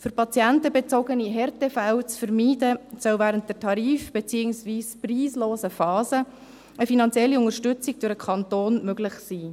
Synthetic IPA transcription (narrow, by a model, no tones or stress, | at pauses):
fʏɾpɑt͡sjɛntəbet͡soɡəniɦɛrtefæwt͡sfəɾmiːdəsœwvæːɾənt̚d̥ɛtʰɑɾiːfb̥et͡siːəŋsviːspriːsloːzəfɑːzə | əfinɑnt͡sjɛlːiʊŋəɾʃtʏt͡siɡ̥̚d̥ʊɾəkʰɑntoːnmøɡlɪχsiː